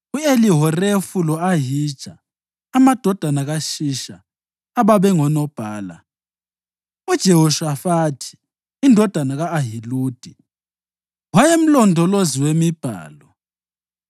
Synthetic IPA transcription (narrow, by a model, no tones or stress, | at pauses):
ueliɦɔrefulɔaɦid̥ʒ̥ʱaː | mad̥ʱɔd̥ʱanaɣaʃiʃaː | βaβɛŋɔnɔb̥ʱaːla̰ | ud̥ʒ̥ʱɛɦɔʃwafatʰi̥ː | ndʱɔd̥ʱanaɣaːɦiluːd̥ʱi | wajem̩lɔndʱɔloziwemib̥ʱa̰ːlɔ